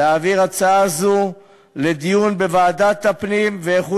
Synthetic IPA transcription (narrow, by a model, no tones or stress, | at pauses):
aːviʁat͡saazu | le̞d̪ijunbevaːdat̪apnimveːχu